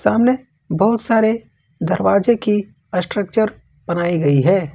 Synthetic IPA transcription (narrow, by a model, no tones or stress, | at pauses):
saːmne | bɔɦʊt̪saːɾe | d̪ɐɾwaːd͡ʒeki | əsʈɾək̚t͡ʃəɾ | b̥ɐnaːiɡɐiɦɛː